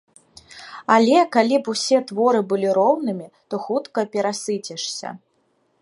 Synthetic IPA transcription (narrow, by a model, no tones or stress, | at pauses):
alʲɛkalʲipusʲɛt̪vɔɾɨbɨlʲiɾɔwn̪ɨmʲi | t̪ɔxut̪kɐpʲɛɾasɨt͡sʲɛʂsʲɐ̰